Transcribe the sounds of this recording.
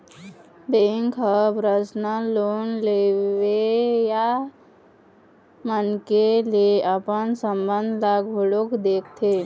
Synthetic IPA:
beŋkəpɾəsnəlonleʋeja | mənkelieʔəpənsəmbənd̪ʱlaɡʱoɭokd̪eːk̚ʰt̪ʰe

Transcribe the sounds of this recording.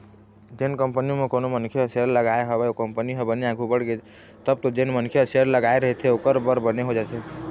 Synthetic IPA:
d͡ʒenkəmpənimekonomənkʰjəəsəɾləɡaeɦəbɛokəmpəniɦə̃bəneaɡʱubəɽɡed͡ʒ | t̪əb̚t̪ɔd͡ʒenmənkʰjəəsəɾləɡaeɾəɦɛt̪ʰɛokəɾbəɾbəneɦod͡ʒat̪ʰɛ

